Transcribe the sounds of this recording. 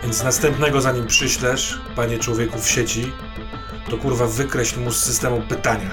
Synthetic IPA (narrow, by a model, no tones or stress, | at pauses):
vʲjɛnt̪snast̪ɛmpnɛɡɔzaɲimpʂɘɕlɛʂ | paɲɛt͡ʂwɔvʲjekufɕet͡ɕi | t̪ɔkuɾvavɘkɾɛɕlʲmusːɘst̪ɛmupɘt̪aɲa